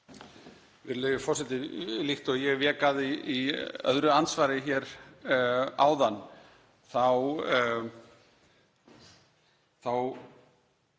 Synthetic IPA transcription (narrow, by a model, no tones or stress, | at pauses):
vɪɾlœɥjʏfɔɾ̥sɛt̪ɪlixt̪ɔɣjɛɣvɛːkaðɪiœ̰ðɾʏansvaːɾɪçɛɾ | a̰ːwðanː | θaw | θaw